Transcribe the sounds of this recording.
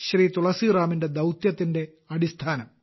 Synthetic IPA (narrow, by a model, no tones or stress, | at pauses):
ɕriːt̪uɭɐsiraːminde̞d̪ɐwt̪jɐt̪ːinde̞ | ɐɽist̪ʰaːnɐm